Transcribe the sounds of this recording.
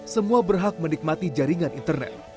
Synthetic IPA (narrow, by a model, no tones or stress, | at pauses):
səmuabərɦak̚mənik̚mat̪id͡ʒaɾiŋanint̪ərnɛ̰t̪̚